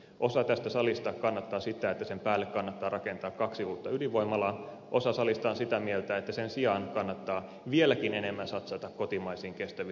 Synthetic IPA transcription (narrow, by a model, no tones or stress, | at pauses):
ʔosɑt̪æst̪æsɑlist̪ɑkkɑnːɑt̪ːɑːsit̪æet̪ːæsempæːlːekkɑnːɑt̪ːɑːrɑkent̪ɑːkkːɑksiuːt̪ːɑyliʋʋoimːɑlɑ | ʔosɑsɑlist̪ɑːnsit̪æmielt̪æet̪ːæsensiɑnkɑnːɑt̪ːɑː | ʋielækinenemːænsɑt̪sɑt̪ɑkkot̪imɑisiːŋkest̪æʋi